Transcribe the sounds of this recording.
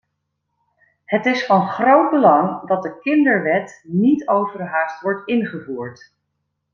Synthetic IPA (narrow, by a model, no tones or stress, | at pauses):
hətɪsfɑnχrowd̚bəlɑŋdɑt̚dəkɪndəɹʋɛtnitowvərɦaːstʋɔɹtɪnχəvuːɹt